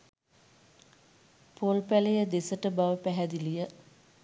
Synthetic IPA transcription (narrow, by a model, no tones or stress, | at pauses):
polpælejəd̪esəʈəbaʋəpæɦæd̪ilijə